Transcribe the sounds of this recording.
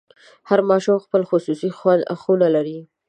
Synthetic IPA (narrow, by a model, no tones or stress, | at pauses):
haɾmɑʃumxpəlxʊsusixwand̪a̰xunalaɾi